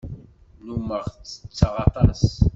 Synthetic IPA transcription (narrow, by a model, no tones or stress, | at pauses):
numəʁt͡sːə̥t͡sːɑʁɑt̪ˤɑs